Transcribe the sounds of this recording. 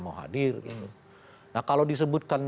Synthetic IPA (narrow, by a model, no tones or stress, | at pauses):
mawɦa̰dɪrɡḭt̪u | nahkalodis̬əbut̪̚kan